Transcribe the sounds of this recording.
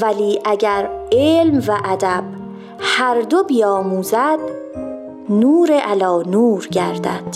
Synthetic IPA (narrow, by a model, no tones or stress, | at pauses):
væliːʔæɟæɾeːlmvæʔæd̪æb̥ | hæɾd̪o̞bijɒːmuːzæd̪̥ | nuːɾeʔælɒːnuːɾɟæɾd̪æ̰d̪̥